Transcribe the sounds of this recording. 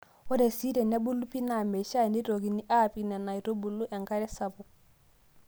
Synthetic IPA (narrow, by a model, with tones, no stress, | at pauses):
o˦de˨si˦de˨ne˦bu˦lu˦pi˦na˨me˨ʃa˦˨ni˦ɾo˨ɡi˨ni˦ʔa˦˨pi˨nɛ˨na˨i˨ɾo˦bu˨lːu˦ʔɛ˨ŋɡa˦ɾɛ˦sa˨bɔ˨